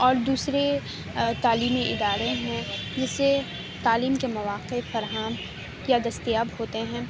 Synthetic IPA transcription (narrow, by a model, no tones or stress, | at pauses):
ɔːɾd̪uːsɾe | t̪aːliːmiʔɪd̪aːɾeɦɛ̃d͡ʒɪsːe | t̪aːliːmkemɐʋaːqefɐɾɦaːm | jad̪ɐst̪ijaːbɦoːt̪eɦɛ̃ː